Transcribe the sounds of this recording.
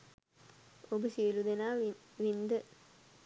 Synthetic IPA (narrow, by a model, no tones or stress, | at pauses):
obəsiʋilud̪enaː | ʋind̪ə